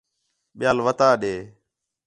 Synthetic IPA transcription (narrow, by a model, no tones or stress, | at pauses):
ɓɪjaːlʋət̪aːɗeː